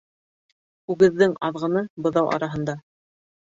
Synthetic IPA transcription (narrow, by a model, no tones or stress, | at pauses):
ʉɡɘ̆ðːɘŋɑðʁɤ̆nɤbɤ̆ðɑwʔɑ̰ɾɑɦɤ̆nd̪ɑ